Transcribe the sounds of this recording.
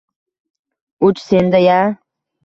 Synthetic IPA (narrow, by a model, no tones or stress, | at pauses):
ʊt͡ʃsend̪aja